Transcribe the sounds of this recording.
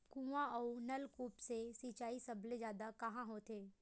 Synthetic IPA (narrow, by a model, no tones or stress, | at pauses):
kũːãɔːnɐlkuːpsesiːt͡ʃaːisɐblezjaːd̪akɐɦãɦoːt̪ʰeː